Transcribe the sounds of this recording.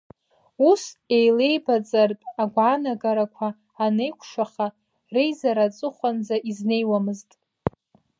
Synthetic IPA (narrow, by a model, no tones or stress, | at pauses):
use̞jle̞jbat͡sʼarpʼaɡʷʕanaɡaɾakʷʰaː | ne̞jkʷʰʂaχa | rejzaɾat͡sʼɨχʷand͡zaʔizne̞jwamɨztʼ